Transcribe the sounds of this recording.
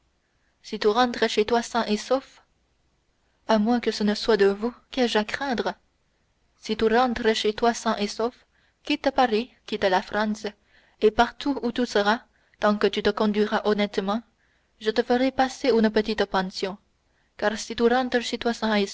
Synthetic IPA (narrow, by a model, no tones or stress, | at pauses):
sit̪yʁɑ̃t̪χəʃet̪wasɛ̃ʔesof | amwɛ̃kəsənəswad̪əvukɛʒakχɛ̃d̪ʁə | sit̪yʁɑ̃t̪ʁəʃet̪wasɛ̃ʔesof | kʲit̪apaʁikʲit̪alafχɑ̃s | epaʁt̪uːt̪usəʁa | t̪ɑ̃kət̪yt̪əkɔ̃d̪ɥiʁaʔɔnɛt̪mɑ̃ | ʒət̪əfəʁɛpaseynəpət̪it̪pɑ̃sjɔ̃ | kaʁsit̪yʁɑ̃t̪χəʃet̪wasɛ̃e